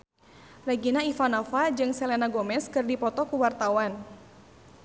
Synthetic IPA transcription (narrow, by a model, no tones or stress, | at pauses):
rɛɡinaifanɔfad͡ʒɨŋsɛlɛnaɡɔmɛskɨrdipɔt̪ɔkuwart̪awan